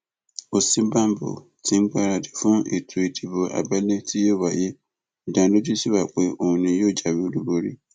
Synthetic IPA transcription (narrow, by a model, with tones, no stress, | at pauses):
o˨sĩ˦bã˦m˦bo̰˨ | tʰĩ˨˦ŋ̩˦ɡ͡ba˦ɾa˨de˨fʊ̃˦ḛ˨tʰu˨e˨di˨bo˨ʔa̰˨ba˦le˦tʰi˦jo˦˨ba˨je˦˨ | dã˨do˦d͡ʒu˦si˦βa˨k͡pe˦o˨ũ˨nĩ˨jo˦˨d͡ʒa˨bi˦o˦du˦bo˦ɾḭ˦